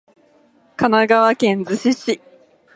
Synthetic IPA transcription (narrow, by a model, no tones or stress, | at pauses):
kanaɡaβakẽ̞nd͡zɨɕiɕi